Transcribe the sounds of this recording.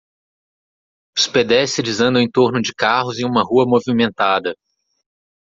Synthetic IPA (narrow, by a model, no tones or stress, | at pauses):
ʊ̥sped̪ɛsɪd͡ʒɪzɐ̃nd̪ɐʊ̃ẽt̪oɾnʊd͡ʒɪkaɦʊzẽũmɐɦuɐmovimẽnt̪ad̪ɐ